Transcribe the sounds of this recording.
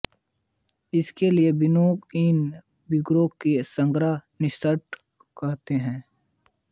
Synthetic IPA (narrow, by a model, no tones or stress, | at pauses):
ɪskeliebɪnoːkiːn | bɪɡɾoːkːesə̃ŋɡɾanɪʃt̪əɾʈ | kɐɦt̪eɦɛ̃ː